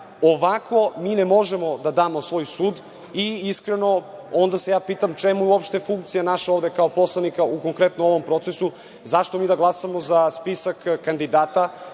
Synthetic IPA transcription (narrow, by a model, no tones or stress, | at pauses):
oʋakʰo̞miːnemo̞ʒemo̞d̪ad̪aːmo̞sʋo̞ːjsuːd̪ | iiskɾeno̞ond̪ase̞jaːpiːt̪amt͡ʃemujuopʃt̪efuŋkt̪sijanaʃaovd̪ekaopo̞slˠanikauko̞ŋkɾet̪nooʋo̞mpɾo̞t̪sesu | zaʃt̪omiːd̪aɡlˠasamozaspisakːand̪id̪aːt̪a